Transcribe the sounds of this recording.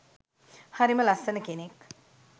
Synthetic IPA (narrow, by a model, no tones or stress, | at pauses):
hɐɾimɐlɐsɐnɐkenek